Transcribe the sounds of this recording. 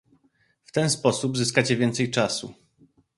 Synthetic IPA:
ft̪ɛnspɔsubzɘskat͡ɕɛvʲjɛnt̪sɛjt͡ʂasṵ

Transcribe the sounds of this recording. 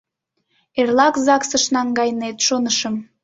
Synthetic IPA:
erlɑkzɑksəʃnɑŋɡɑjnet̪ʃonəʃəm

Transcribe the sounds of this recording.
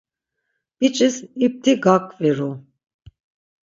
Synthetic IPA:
b̥it͡ʃʼisip̚t̪ʰiɡakʼviɾu

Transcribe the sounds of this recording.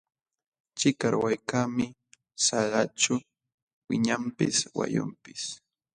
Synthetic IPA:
t͡ʃɪkaɾwajkaːmɪ | salat͡ʃʊ | wɪɲampɪswa̰jʊ̰mpɪs

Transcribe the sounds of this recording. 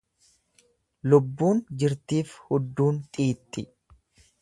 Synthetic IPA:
lʊbːuːnd͡ʒɪɾt̪iːfhʊd̪ːuːnt̪ʼiːt̪ʼːɪ

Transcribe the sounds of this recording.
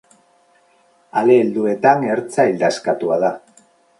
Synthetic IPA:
ale̞ːld̪ue̞t̪aŋe̞ɾt͡saild̪askat̪uað̞a

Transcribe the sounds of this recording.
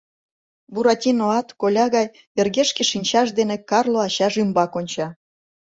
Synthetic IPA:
buɾɑtʲinoɑt̪kolʲɑɣɑj | erɣeʃkeʃinʲt͡ɕɑʃ̬d̪enekɑrlˠoɑɕɑʒymbɑkonʲt͡ɕɑ

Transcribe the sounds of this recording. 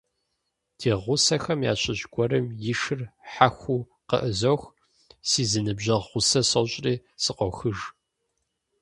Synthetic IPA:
dʰeːʁʷʊsɐxɐmja̰ːɕʰʼɪʑɡʷɔɾɨmjɪʂɨrħaxʷuː | qə̰ʔəzɐwx | siːzɨnɨbʑɐʁʁʷʊsɐsɐwɕʼriːsɨqʷɔxɨʒ

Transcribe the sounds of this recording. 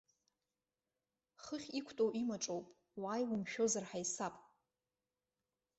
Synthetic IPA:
χəχʲikʷʰtʼowʔimaʈ͡ʂʼowpʼ | waːjwumʃᶣo̞zarħajsapʼ

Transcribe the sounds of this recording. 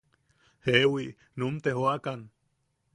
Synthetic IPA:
hewiʔ | numt̪eɦoakan

